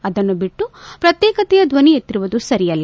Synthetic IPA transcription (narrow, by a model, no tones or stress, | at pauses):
ɐd̪ɐnːubiʈːupɾɐt̪jɛːkɐt̪ɛjɐd̪ʋɐniet̪ːiɾuʋud̪usɐɾijɐlːɐ